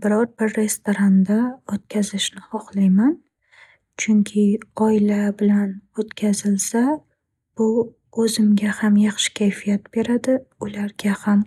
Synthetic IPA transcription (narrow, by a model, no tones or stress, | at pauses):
bɪɾɒɾbɪɾːe̞st̪oɾand̪aot̪̚kʲʰazɪʃnɪhɒχlˠajman | t͡ʃʰʊŋkʲʰɪɒɪlabɪlanot̪kʲʰazɪlsa | b̥ʊ | ɵzɪmɡʲahamjɑχʃɪ̥kʲʰajfijat̪b̥e̞ɾad̪ɪʊlaɾɡʲaham